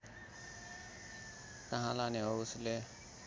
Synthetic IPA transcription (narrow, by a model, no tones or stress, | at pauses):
t̪əɦãːlaːnẽoʊsle